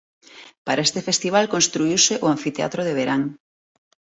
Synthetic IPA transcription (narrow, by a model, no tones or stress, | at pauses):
paɾaest̪efest̪iβ̞alkonst̪ɾuiwseʔʊaɱfit̪ea̰t̪ɾoðeβ̞eɾaŋ